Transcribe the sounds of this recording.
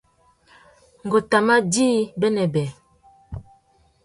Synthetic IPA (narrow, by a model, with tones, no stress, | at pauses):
ŋ̩˨ɡo˨ta˨ma˦diː˦bɛ˦nɛ˨bɛ˨